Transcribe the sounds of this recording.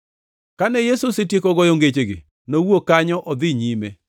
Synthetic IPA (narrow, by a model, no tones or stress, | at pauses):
kanɛjesusɪtjekɔɡɔjoŋɡet͡ʃeɡɪ̰ | nowokaɲɔʔɔd̪ɪɲime